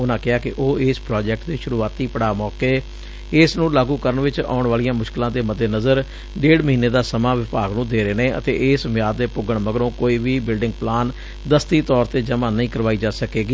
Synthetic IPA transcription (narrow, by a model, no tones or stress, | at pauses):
ʊnãːkɪaːkɪʔoːɪːspɾɔːd͡ʒɛk̚ʈd̪eːʃʊɾuːaːt̪iːpəɽaːmɔːkeː | ɪsnũːlaːɡuːkəɾəɳʋɪt͡ʃa̰ːʊɳʋaːlijãːmʊʃkɪlãːd̪eːməd̪ːeːnəzəɾ | ɖeːɽməɦiːneːd̪aːsəmãːʋɪpaːɡnũːd̪eːɾeːneːə̰t̪ḛːʔɪːsʋɪjaːd̪d̪eːpʊɡəɳməɡɾõːkoːiːʋiːbɪlɖɪŋɡ̚plaːn | d̪əst̪iːt̪ɔːɾt̪eːd͡ʒəmãːnəĩːkəɾʋaːiːd͡ʒaːsəkeːɡiː